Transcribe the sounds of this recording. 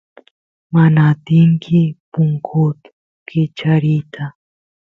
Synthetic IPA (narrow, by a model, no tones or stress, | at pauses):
manaːt̪ɪŋkʰɪpʊŋkʰʊt̪ | kʰɪt͡ʃaɾit̪ʰa